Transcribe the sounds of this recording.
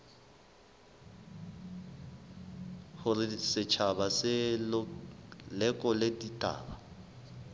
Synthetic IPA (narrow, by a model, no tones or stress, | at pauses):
hʊrɪsɪt͡ʃʰabasɪl | lɛkʼɔleditʼa̰ːba